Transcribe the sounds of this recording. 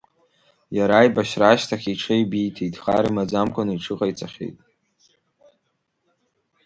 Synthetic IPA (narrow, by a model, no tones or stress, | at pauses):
jaɾajbaʃraːʃtʰaχʲiʈ͡ʂʰejbijtʰejtʼχa̰ɾimad͡zamkʷʰʼanɨiʈ͡ʂʰɨqʼajt͡sʼaχʲḛjtʼ